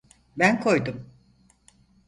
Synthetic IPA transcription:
bænkʰo̞jd̪um

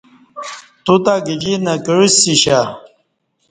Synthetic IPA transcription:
t̪ut̪aɡid͡ʑinɐkəɻisiɕa

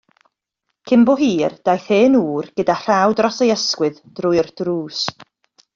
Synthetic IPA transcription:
kʰɪmbɔɦiːrd̥ajθeːnuːrɡ̥ədar̥awdrɔsejəskwɨðd̥rʊɨrd̥ruːs

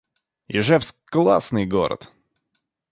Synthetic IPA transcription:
jɪ̰ʐɛfsklˠa̰snɨjɡo̰ɾə̰t̪

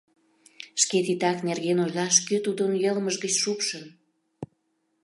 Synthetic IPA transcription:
ʃket̪it̪ɑknerɣenojlɑʃkøt̪ud̪ənjəlməʒɣət͡ɕʃupʃən

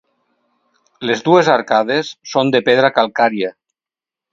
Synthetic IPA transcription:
lezd̪uezaɾkað̞esːond̪epeðɾakalˠkaɾia

